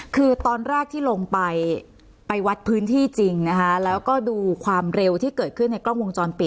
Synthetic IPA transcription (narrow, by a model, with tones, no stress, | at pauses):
kʰɯː˧t̪ɔː˧nɾɛː˥˩k̚t̪ʰiː˥˩lo˧ŋpa˧j | pa˧jwa˦˥t̪̚pʰɯː˦˥nt̪ʰiː˥˩t͡ɕi˧ŋna˦˥kʰa˦˥lɛː˦˥wkɔː˥˩duː˧kʰwaː˧mɾe˧wt̪ʰiː˥˩kɤː˨˩t̪̚kʰɯ˥˩nːa˧jklɔː˥˩ŋwo˧ŋt͡ɕɔː˧npi˨˩